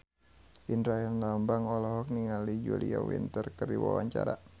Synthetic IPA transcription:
ʔindɾaɦɛnlambaŋɔlɔɦɔk̚niŋalid͡ʒuliawḭnt̪ərkərdiwawaɲt͡ʃaɾa

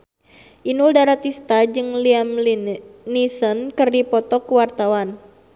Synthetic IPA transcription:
ʔinuldaɾat̪ist̪ad͡ʒɨŋliamlnisənkɨrdipɔt̪ɔkuwart̪awan

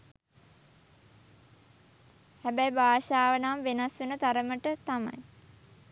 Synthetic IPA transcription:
hæbɛjbaːʃaːʋənamʋenasʋenət̪aɾəməʈət̪ama̰j

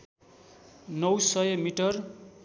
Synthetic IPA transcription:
nʌwsʌjmiʈʌr

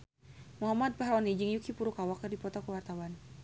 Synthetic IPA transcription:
muɦamad̪̚paɦɾɔnid͡ʒɨŋjukipuɾukawakɨrdipɔt̪ɔkuwart̪awan

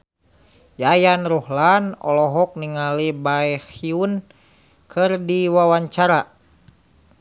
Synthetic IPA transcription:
jajanrɔhlanɔ̰lɔɦɔk̚niŋalibaɛhiun | kʰɨrdiwawaɲt͡ʃaɾa

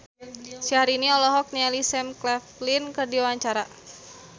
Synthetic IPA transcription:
siɦaɾiniɔlɔɦɔk̚nialisɛmklɛflinkərdiwawaɲt͡ʃaɾa

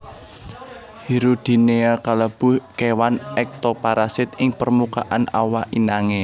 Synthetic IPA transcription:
hiɾud̪̥i̤neakaləb̥ʊ̤hkewanʔɛk̚t̪opaɾʔasɪt̪ɪŋpərmuka̰ʔanawaʔinaŋe

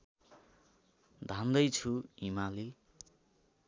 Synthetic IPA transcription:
d̪ʱand̪ʌjt͡sʰuimali

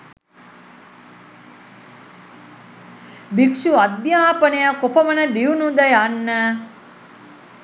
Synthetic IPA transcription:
bikʃuad̪jaːpənəjakopɐmənəd̪iunud̪ɐjanːə

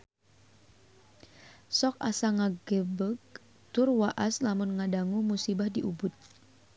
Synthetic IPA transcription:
sɔk̚a̰saŋaɡəbək̚ | t̪ʊrwaʔaslamʊnŋadaŋumusibahdiʔubʊt̪̚

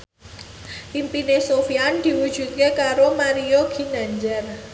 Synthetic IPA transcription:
impinesofiand̪̥i̤wud̥ʒ̥ṳt̪̚kekaɾomaɾioɡ̥i̤naɲd͡ʒər

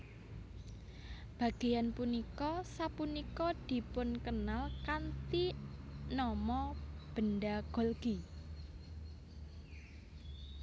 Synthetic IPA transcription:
b̥ä̤ɡ̥e̤janpunikɔsapunikɔd̪̥i̤pʊnkənalkant̪inɔmɔb̥ə̤nɖaɡ̥ɔ̤lɡ̥i

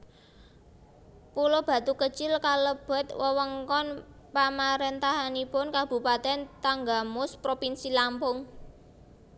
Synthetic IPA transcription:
pulob̥ä̤t̪ukət͡ʃɪlkaləb̥ɛ̤t̪̚wəwəŋkɔn | pamaɾent̪aɦanipʊnkab̥ṳpat̪ɛnt̪aŋɡamʊspɾopinsilampʊŋ

